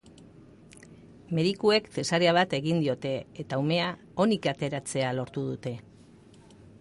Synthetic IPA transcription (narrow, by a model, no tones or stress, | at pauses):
me̞ðikue̞kt̪e̞saɾeaβ̞at̪e̞ɣind̪io̞t̪e̞ːt̪aume̞a | o̞nikat̪e̞ɾat͡se̞alo̞ɾt̪uð̞ut̪e̞